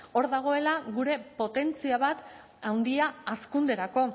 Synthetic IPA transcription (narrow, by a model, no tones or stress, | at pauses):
o̞ɾðaɣ̞o̞e̞laɣuɾe̞po̞t̪e̞nt͡siaβat̪ | awnd̪iaːskund̪e̞ɾako̞